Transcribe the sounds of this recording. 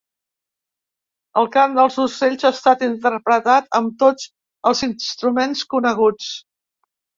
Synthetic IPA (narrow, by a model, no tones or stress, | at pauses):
əlˠkamd̪əlˠzuseʎʲzaːst̪at̪int̪əɾpɾət̪at̪əmt̪od͡z | əlˠzinst̪ɾumenskunəɣ̞ut͡s